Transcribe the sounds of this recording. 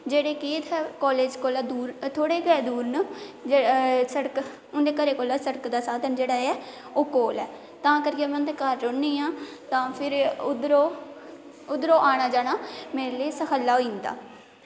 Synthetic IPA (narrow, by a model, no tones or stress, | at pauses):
d͡ʒeːɽeːkiːt̪ɛkɔːleːd͡ʒkoːlaːd̪uːɾt̪ʰoːɽeːɡɛːd̪uːɾnəd͡ʒesəɽək | ʊnd̪eːkəɾeːkoːlaːsəɽəkd̪aːsaːd̪ənd͡ʒeːɽaːɛː | oːkoːlɛː | t̪ãːkəɾɪːãːmɛ̃ʊnd̪eːkəɾːoneːãːt̪ãːpʰɪɾʊd̪ɾoː | ʊd̪ɾoːʔaːɽaːd͡ʒaːɽaːmeːɾeːleːsəkʰəlːaːoːĩːnd̪a̰ː